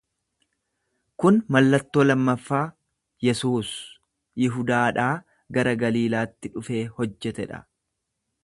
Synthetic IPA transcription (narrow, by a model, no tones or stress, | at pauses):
kʊnmɐlːɐt̪ːo̞ːlɐmːɐfːaː | jɛsuːs | jɪɦʊd̪aːᶑaː | ɡɐɾɐɡɐliːlaːt̪ːɪᶑʊfe̞ːhɔd͡ʒːɛt̪ɛᶑɐ̰